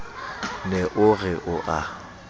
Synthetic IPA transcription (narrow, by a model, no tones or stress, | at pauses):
nɛʔʊɣɛʔʊʔa